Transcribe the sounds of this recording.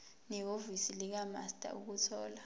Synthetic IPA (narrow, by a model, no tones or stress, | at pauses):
nɛovisilik̬ama̰stʼa̰ʔuk̬utʰɔːla